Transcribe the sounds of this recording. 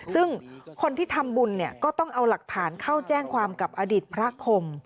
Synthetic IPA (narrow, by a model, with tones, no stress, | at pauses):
sɯ˥˩ŋkʰo˧nt̪ʰiː˥˩t̪ʰa˧mbu˧nːi˥˩ɐkɔː˥˩t̪ɔ˥˩ŋʔa˧wla˨˩k̚t̪ʰaː˩˦nkʰa˥˩wt͡ɕɛː˥˩ŋkʰwaː˧mka˨˩p̚ʔaː˧diː˨˩t̪̚pʰɾa˦˥kʰo˧m